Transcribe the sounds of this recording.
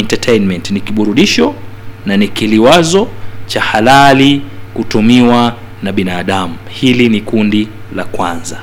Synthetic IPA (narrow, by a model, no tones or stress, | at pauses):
ɛntatʰɛjnmɛntnikiɓuɾuɗiʃɔnanikiliwazɔt͡ʃahalalikutumiwa | naɓinaːɗamu | hilinikundi | lakwanza